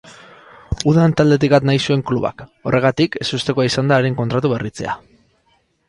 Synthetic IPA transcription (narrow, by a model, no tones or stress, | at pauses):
uðant̪ald̪e̞t̪̬ikbat̪najsue̞ŋkluβa̰ko̞rʔe̞ɣ̞at̪ike̞sust̪e̞koaisand̪aːɾeŋkont̪ɾat̪uβe̞rit͡se̞̰a̰